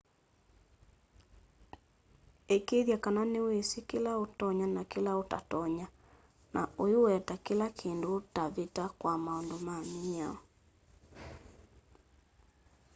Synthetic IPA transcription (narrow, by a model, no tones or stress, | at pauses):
ekeðjakananewesekelaotɔɲanakelaota̰tɔɲa | nʔaojoɛtakelakʰendotaβetakwamaɔndomamiɲaɔ